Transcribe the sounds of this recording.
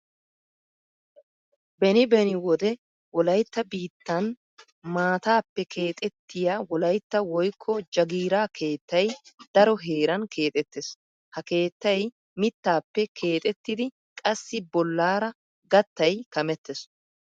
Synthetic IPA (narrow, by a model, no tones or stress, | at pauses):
bɛnɪbɛnɪwɔd̪ɛ | wɔlɐjt̪ːɐbiːt̪ːɐn | maːt̪aːpːɛkʰeːt̪ʼɛt̪ːɪjaːwɔlɐjt̪ːɐwɔjkʰːɔd͡ʒɐɡiːɾaːkʰe̞ːt̪ːɐjd̪̥ɐɾɔɦe̞ːɾɐnkʰe̞ːt̪ʼɛt̪ːɛs | hɐke̞ːt̪ːɐj | mɪt̪ːaːpːɛkʰe̞ːt̪ʼɛt̪ːɪd̪ɪ | kʼɐsːɪbɔlːaːɾɐ | ɡɐt̪ːɐjkɐmɛt̪ːɛs